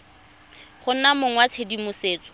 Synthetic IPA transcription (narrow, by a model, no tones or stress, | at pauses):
χʊnamʊŋwat͡sʰedimʊseːt͡sʼɔ̥